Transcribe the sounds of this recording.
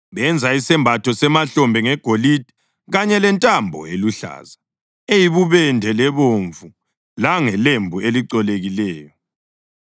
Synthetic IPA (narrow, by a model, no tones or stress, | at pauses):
βɛnd͡zʱaisɛmbʱatʰɔsɛmaɬɔmbʱɛŋɛɡ̥ʱolid̥ʱi | ɣaɲɛlɛntʼambʱɔ̰eluɬa̰ːza | ejiβuβɛndʱɛlɛβoɱvu | laŋɛlembʱueliǀɔleɣilɛːjɔ